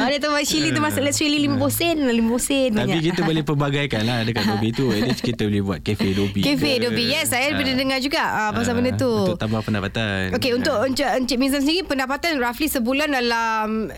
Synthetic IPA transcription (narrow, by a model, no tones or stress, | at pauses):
adət̪abat͡ʃilit̪̬umasʊʔlɛʔsɾililimãbosɛnalimãbosɛnaɲpikit̪əbolepəbaɡajkanlahadəkadobit̪uɛdəskit̪əbəlehbuat̪̚kefedobikefedobijɛsajədbədədəŋad͡ʒuɡaʔəbas̬amənət̪uʊt̪ambahpəndapat̪anokeunt̪ʊʔəɲt͡ʃəəɲt͡ʃəmizansəndiɾipəndapat̪anraflisəbulandalam